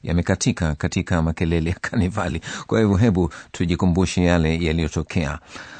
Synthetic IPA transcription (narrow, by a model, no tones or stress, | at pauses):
ja̰mɛkatʰikakatikamakɛlɛlɛjakʰanivalikwahivuɦɛɓutʰuʄikumbuʃɛjalɛjalijɔtɔkʰɛa̰